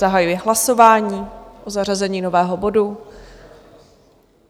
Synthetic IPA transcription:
aɦajujɛɦlaso̞vaːɲiːʔozarazɛɲiːno̞vɛːɦo̞bo̞du

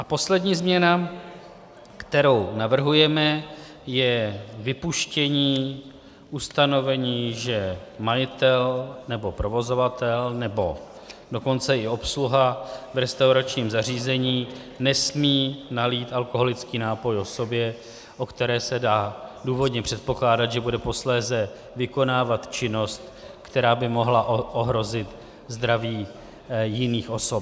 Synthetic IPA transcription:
ʔapo̞slɛdɲiːzmɲɛna | kt̪ɛɾo̞wnavr̩ɦujɛmɛ | jɛvɪpuʃcɛɲiː | ʔust̪ano̞vɛɲiːʒɛmajɪt̪ɛlnɛbo̞pɾo̞vo̞zo̞vat̪ɛlnɛbo̞ | do̞ko̞nt͡sɛʔɪo̞psluɦavɾɛst̪awɾat͡ʃɲiːmzar̝iːzɛɲiː | nɛsmiːnaliːt̪alko̞ɦo̞lɪt͡skiːnaːpo̞jo̞so̞bjɛ | ʔo̞kt̪ɛɾɛːsɛdaːduːvo̞dɲɛpr̥ɛt̪̚po̞klaːdat̪ʒɛbudɛpo̞slɛːzɛ | vɪko̞naːvat̪t͡ʃɪno̞st̪ | kt̪ɛɾaːbɪmo̞ɦlaʔʔoɦɾo̞zɪt̪ | zd̪ɾaviː | jɪniːxo̞so̞p

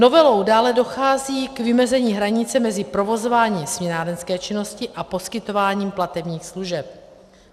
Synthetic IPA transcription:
no̞vɛlo̞wdaːlɛdo̞xaːziːkvɪmɛzɛɲiːɦɾaɲɪt͡sɛmɛzɪpɾo̞vo̞zovaːɲiːmsmɲɛnaːdɛnskɛːt͡ʃɪno̞scɪʔapo̞skɪt̪o̞vaːɲiːmplat̪ɛbɲiːxsluʒɛp̚

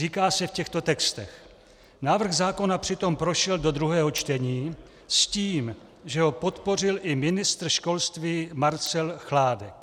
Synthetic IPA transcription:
iːkaːsɛfcɛxt̪o̞t̪ɛkst̪ɛ̰x | naːvr̩ɣzaːko̞napr̝̥ɪt̪o̞mpɾo̞ʃɛldo̞d̪ɾuɦɛːɦo̞t͡ʃt̪ɛɲiː | sciːm | ʒɛɦo̞po̞t̪po̞rɪlʔɪmɪnɪst̪r̩ʃko̞lst̪viːmaɾt͡sɛlxlaːdɛk

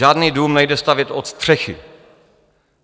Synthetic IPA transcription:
aːdniːduːmnɛjdɛst̪avjɛt̪ʔot̪st̪r̝̥ɛxɪ

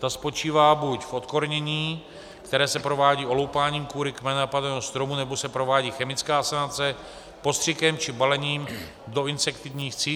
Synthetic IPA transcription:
t̪aspo̞t͡ʃiːvaːbucfʔo̞t̪ko̞ɾɲɛɲiː | kt̪ɛɾɛːsɛpɾo̞vaːɟiːo̞lowpaːɲiːmkvuːɾɪkmɛnapadɛːɦost̪ɾo̞munɛbosɛpɾo̞vaːɟiːxɛmɪt͡skaːsanat͡sɛ | po̞st̪r̝̥ɪkɛmt͡ʃɪbalɛɲiːm | do̞ɪnsɛkt̪ɪvɲiːxt͡siː

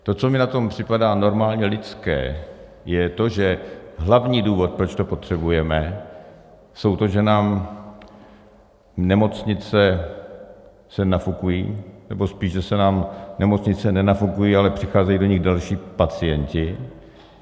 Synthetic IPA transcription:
t̪o̞t͡so̞mɪnat̪o̞mpr̝̥ɪpadaːno̞ɾmaːlɲɛlɪt͡skɛ̰ː | jɛt̪o̞ʒɛɦlavɲiːduːvo̞t̪̚pɾot͡ʃt̪o̞po̞t̪r̝̥ɛbujɛmɛ | so̞wt̪o̞ʒɛnaːm | nɛmo̞t͡sɲɪt͡sɛ | sɛnafukujḭːnɛbo̞spiːʃʒɛsɛnaːmnɛmo̞t͡sɲɪt͡sɛnɛnafukujiːalɛpr̝̥ɪxaːzɛjiːdo̞ɲɪɣdalʃiːpat͡sɪjɛncɪ

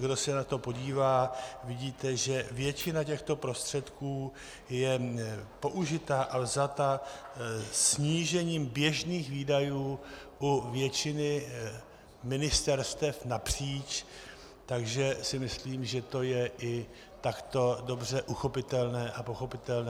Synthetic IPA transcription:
ɡdo̞sɛnat̪o̞po̞ɟiːvaːvɪɟiːt̪ɛʒɛvjɛt͡ʃɪnacɛxt̪o̞pɾo̞st̪r̝̥ɛt̪kuː | jɛpo̞ʔuʒɪt̪aːʔavzat̪a | sɲiːʒɛɲiːmbjɛʒniːxviːdajuːʔuvjɛt͡ʃɪnɪ | mɪnɪst̪ɛɾst̪ɛfnapr̥iːt͡ʃ | t̪aɡʒɛsɪmɪsliːmʒɛt̪o̞jɛʔɪ | t̪akt̪o̞do̞brɛʔuxo̞pɪt̪ɛlnɛːʔapo̞xo̞pɪt̪ɛlnɛ

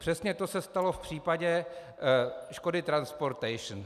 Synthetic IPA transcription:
pr̝̥ɛsɲɛt̪o̞sɛst̪alo̞fpr̝̥iːpaɟɛ | ʃko̞dɪt̪ɾanspo̞ɾt̪ɛjʃn

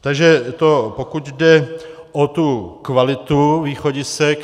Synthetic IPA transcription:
t̪aɡʒɛt̪opokut̪dɛ | ʔot̪ukvalɪt̪uviːxoɟɪsɛk

